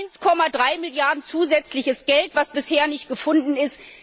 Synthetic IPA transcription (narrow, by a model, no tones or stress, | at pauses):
ɪnskʰɔmadʁaɪmɪljaɐdn̩t͡suːzɛt͡slɪçəsɡ̥ɛltv̥asb̥ɪsheːɐnɪçtɡ̥əfʊndn̩ɪst